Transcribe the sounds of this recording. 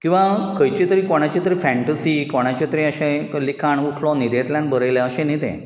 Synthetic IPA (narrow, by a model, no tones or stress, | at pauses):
kĩw̃ʋakəjt͡ɕit̪əɾiːkoɽ̃at͡ɕit̪əɾiːfɛ̃ɳʈəsikoɽ̃at͡ɕat̪əɾĩəɕẽlikʰaɳuʈʰlɔnid̪et̪ljanbəɾəjleəɕẽnit̪ḛ̃